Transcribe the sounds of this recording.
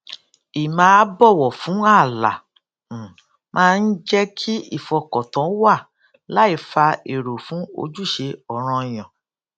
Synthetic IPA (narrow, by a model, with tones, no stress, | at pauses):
i˨mãː˦bɔ˦˨wɔ˨fũ˨˦a˦˨la̰˨ | mãː˦˧n̩˦d͡ʒɛ˦kʰi˦i˦˨fɔ˧kɔ˨tɔ̃˨˦wa˦˨ | la˦i˧fa˧e˨ɾo˨fũ˨˦o̰˧d͡ʒu˦˨ʃe˧ɔ˨ɾ̃ɔ̃˧˨j̃ɔ̃˨